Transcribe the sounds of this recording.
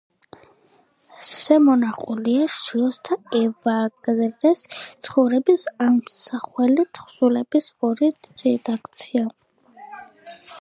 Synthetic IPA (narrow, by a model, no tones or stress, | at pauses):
ʃɛmɔnaχuliaʃiɔst̪ʰaɛvaɡnɾɛst̪sʰχɔvɾɛbisamsaχwɛlit̪ʰχsulɛb̥isɔɾiɾɛd̪akʰt̪sʰia